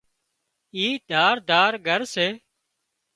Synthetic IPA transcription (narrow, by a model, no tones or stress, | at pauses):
iːd̪ʱaːɾd̪aːɾɡʱəɾseː